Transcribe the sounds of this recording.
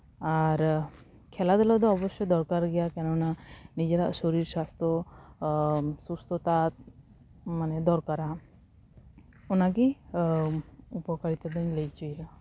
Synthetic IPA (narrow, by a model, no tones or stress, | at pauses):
aɾ | kʰɛlad̪ɔlɔd̪ɔɔbɔsɔd̪ɔɾkaɾɡɛjakɛnɔnanid͡ʒeɾasoɾiɾsast̪ɾɔ | sust̪ɔt̪at̪̚ | manɛd̪ɔɾkaɾa | unak̬i | upɔkaɾit̪ɔd̪eɲlejt͡ʃujɾa